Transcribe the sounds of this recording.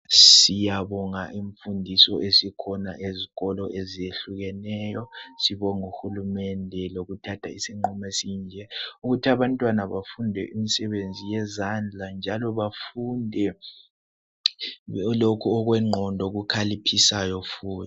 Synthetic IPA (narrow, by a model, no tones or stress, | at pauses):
sijaβɔŋaʔiɱfundʱisɔʔesikʰɔna̰ʔeziɣɔlɔʔezijeɬuɣɛnɛːjɔsiβɔŋuxulumɛndʱɛloɣutʰatʰaisiŋ͡ǃumɛsiːnd͡ʒʱɛuɣutʰiaβantʼwanaβafundʱɛ̰ʔimisɛβend͡zʱijɛzand͡ɮʱand͡ʒʱalɔβafundʱɛ | lokʰuɔɣwɛŋ͡ǃʱɔndʱɔɣukʰalipʰisajɔfuːt